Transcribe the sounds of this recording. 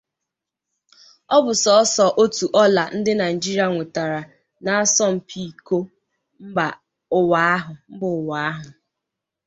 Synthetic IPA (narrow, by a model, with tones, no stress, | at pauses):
ɔ˦bʊ˨sɔ˨ɔ˦sɔ˨ʔo˦tu˨ʔɔ˦la˨n̩˦dɪ˦na˨ɪ˨d͡ʒi˦ɾi˦a˨ŋʷe˨ta˨ɾa˨ | na˨a˦sɔ˦m̩˨pʰi˦˨ko˦ | m̩˦ba˨ | ʊ˨wa˨˦a˦ɦʊ˨m̩˦bʊ˨ʊ˨wa˨˦a˦ɦʊ˨